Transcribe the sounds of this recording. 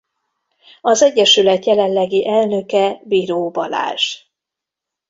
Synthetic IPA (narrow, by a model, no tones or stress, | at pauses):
ɒzɛɟːɛʃylɛt̪jɛlɛnlɛɡiʔɛlnø̞kɛbiːɾoːbɒla̰ːʃ